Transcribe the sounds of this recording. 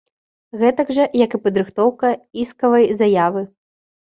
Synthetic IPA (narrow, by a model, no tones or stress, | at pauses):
ɣɛt̪ɐɡʐɐjɐkɨpɐd̪ɾɨxt̪ɔwkɐiskɐvɐjzɐjavɨ